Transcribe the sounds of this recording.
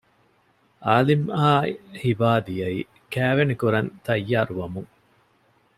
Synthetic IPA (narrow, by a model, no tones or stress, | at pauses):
ʔaːlimaːhibaːd̪ijɐḭː | kæːʋenekuɾɐnt̪ɐjːaːɾuʋɐmuŋ